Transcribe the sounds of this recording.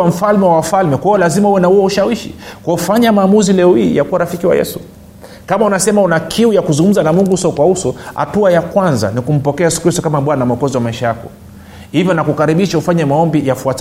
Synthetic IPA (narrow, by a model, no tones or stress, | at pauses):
am̩falmɛwafalmɛkwaɔlazimahuwɛnahuwɛuʃawiʃḭkwaufaɲamaːmuzilɛɔhiːjakuwaɾafikiwa̰jɛ̰su | kamaunasɛmaunakʰiujakuzuŋɡum̩zanamuŋɡuusɔkwausɔha̰tuajakwanza̰nikum̩pɔkɛajɛsu̥kɾistɔkamaɓwanamɔkɔziwamaiʃajakɔ | hivjɔnakukaɾiɓiʃaufaɲɛamaɔmbijafuata